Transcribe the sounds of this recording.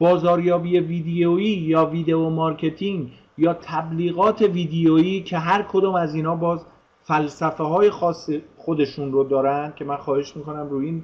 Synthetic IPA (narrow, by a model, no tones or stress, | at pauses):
b̥ɒːzɒːɾjɒːbiːje̞viːd̪ejoiːjɒːviːd̪e̞omɒɾcʰe̞t̪ʰiŋɡ | jɒːt̪ʰæbliːɣɒːt̪ʰe̞viːd̪ejoiːcʰe̞ɦæɾkʰo̞d̪ɒːmæziːnhɒːbɒːz | fælsæfeɦɒːje̞xɒːsːexod̪e̞ʃunrod̪ɒːɾænd̪̥̚cʰʲe̞mænxɒːhe̞ʃmiːko̞næmruːjin